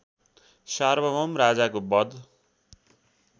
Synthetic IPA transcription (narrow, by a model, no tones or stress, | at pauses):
sarbʌmʌmrad͡zakobʌd̪